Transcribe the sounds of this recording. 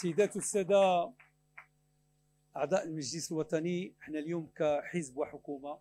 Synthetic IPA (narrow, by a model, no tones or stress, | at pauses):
sæjːd̪æt̪sːæd̪a | ʔɑʕd̪ˤɑːʔəlmaʒlisəlwɑt̪ˤɑniəħnaljuːmkaħəzbwaħʊkuːma